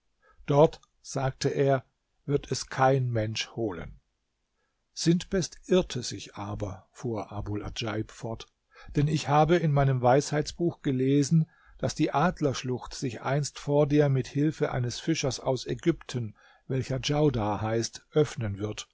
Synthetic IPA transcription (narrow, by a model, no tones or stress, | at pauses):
d̥ɔɐt | z̥aːk̚tʰəʔeːɐ | vɪɐtʰɛskʰaɪnmɛnʃhoːlə̰n | z̥ɪntb̥ɛstʔɪɐtʰəzɪçʔaːbɐfuːɐʔaːbula̰d͡ʒaɪpfɔɐt | d̥ɛnɪçhaːbəɪnmaɪnəmvaɪshaɪt͡sb̥uːxɡ̥əleːzn̩ | d̥asd̥iːʔaːdlɐʃlʊxtz̥ɪçʔa̰ɪnstfoːɐdeːɐmɪthɪlfəʔa̰ɪnəsfɪʃɐsa̰ʊsɛɡʏptʰən | vɛlçɐd͡ʒaʊdaːhaɪstʔœfnənvɪɐt